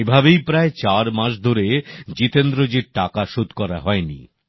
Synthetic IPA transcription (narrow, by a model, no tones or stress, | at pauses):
ebʱabejpɾaet͡ɕaɾmãʃ̬d̪ʱoɾed͡ʑit̪end̪ɾod͡ʑiɾʈakaʃud̪ʱkɔɾa̰ɦɔenḭ